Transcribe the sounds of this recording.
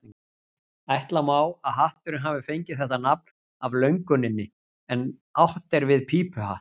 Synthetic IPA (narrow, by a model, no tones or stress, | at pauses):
ajht̪lamaːwaðɦaht̪ʏɾɪnɦaːvɪfejɲcɪð̥θɛht̪anap̚n | avlœɥŋkʏnɪnːɪ | ɛnawht̪ɛɾvɪðpʰiːpʏha̰ht̪